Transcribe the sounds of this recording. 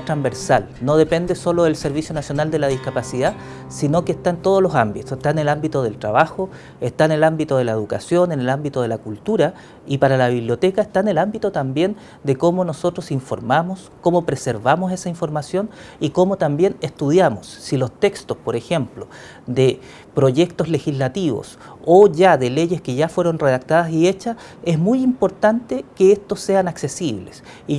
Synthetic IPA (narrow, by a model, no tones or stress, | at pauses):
t̪ɾambe̞ɾsalno̞ðe̞pe̞nd̪eso̞loðelse̞ɾβisjo̞nasjonald̪e̞laðihkapasið̞a | sino̞keːht̪aent̪o̞ð̞olosambit̪oseht̪aenelambit̪oðelt̪ɾaβaxo | eht̪aenelambit̪oðelaeðukasjo̞nenelambit̪oðelakult̪uɾa | ipaɾalaβiβljo̞t̪ekaeht̪aenelambit̪ot̪ambje̞n | d̪eko̞mo̞no̞so̞t̪ɾosiɱfo̞̰ɾmamos | ko̞mo̞pɾeseɾβamose̞saiɱfo̞ɾmasjo̞niko̞mo̞t̪ambje̞nest̪uð̞jamosːilo̞st̪e̞kst̪ospo̞ɾexe̞mplo | d̪e | pɾo̞ʝe̞kt̪ozle̞xizlat̪iβo̰s | oʝaðele̞ʝeskeʝafwe̞ɾo̞nreðak̚t̪aðasie̞t͡ʃa | e̞zmujimpo̞ɾt̪ant̪ekeest̪osːe̞anaksesiβlesi